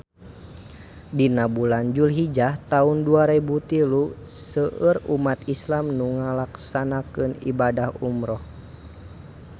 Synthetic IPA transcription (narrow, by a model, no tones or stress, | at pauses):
dinabuland͡ʒulɦid͡ʒaht̪aunduaɾɛbut̪ilu | səʔərumat̪islamnuŋalaksanakɨnḭbadahumɾɔh